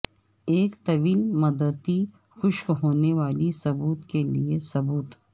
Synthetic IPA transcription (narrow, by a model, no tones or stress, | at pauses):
eːkt̪ɐʋiːlmɐd̪əd̪i | xʊʃkɦoːneʋaːlisɐbuːt̪keliesɐbuːt̪